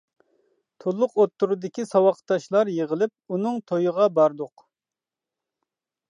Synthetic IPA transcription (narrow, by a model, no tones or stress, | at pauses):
t̪ʰolˠːʊqot̪ːuɾud̪ɪkʲisɑwɑqt̪ːɑʃlˠɑɾjeʁəlˠɪp̚unɨŋt̪ʰojəʁɑbɑɾd̪ʊq